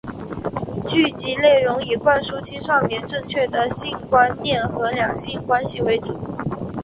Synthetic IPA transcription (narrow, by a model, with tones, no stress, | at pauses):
t͡ɕy˥˩t͡ɕi˧˥le˥˩ɪɻʊ˧˥ŋi˨˩kwa˥˩nʂu˥t͡ɕʰi˥ʂɑ˥˩ʊmjɛ˧˥nʈ͡ʂɤ˥˧ŋt͡ɕʰɥɛ˥˩d̪ə˩ɕi˥nkwa˥nnjɛ˥˩nxɤ˧˥ljɑ˨˩ŋɕi˥nkwa˥nɕi˨we˧˥ɪʈ͡ʂu˨˩˦